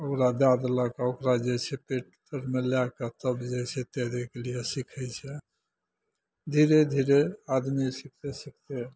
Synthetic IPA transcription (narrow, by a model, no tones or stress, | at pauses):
okɾad̪ad̪lakaokɾad͡ʒɛsʰepeʈ̚t̪əɾmelakat̪əbd͡ʒɛjsʰɛt̪ɛd̪ɛkelijesikʰɛjt͡ʃʰɛ | d̪ʱiɾed̪ʱiɾead̪misik̚ʰt̪esik̚ʰt̪e